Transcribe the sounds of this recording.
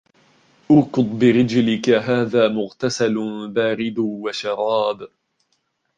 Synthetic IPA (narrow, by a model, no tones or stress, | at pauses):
ʔʊɾkʊd̪ˤbɪɾɪd͡ʒlɪkaɦaːðaːmʊɣt̪asalbaːɾɪd̪waʃɑɾˤɑːb